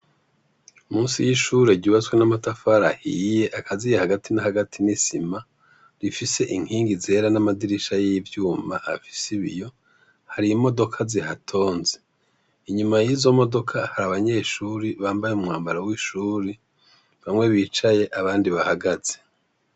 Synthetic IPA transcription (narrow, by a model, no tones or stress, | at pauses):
umuːnsijiʃuːɾe̞ɾɟuːβat͡swe̞namatafaɾahije̞ʔakʰazijehaɡatinahaɡatʰinisima | ɾifise̞ʔiŋ̥hiːŋɡize̞ːɾanamadiɾiʃajiivjuːmaʔːfi̥siβḭjo̞ | haɾimo̞do̞kʰazihatʰo̞ːnze | iɲumajizo̞mo̞do̞kʰahaɾaβaɲeʃuːɾiβaːmbajeumŋaːmbaɾawiʃuːɾe | βamŋe̞βiːt͡ʃaje̞ʔaβaːndiβahaɡaz̥e̥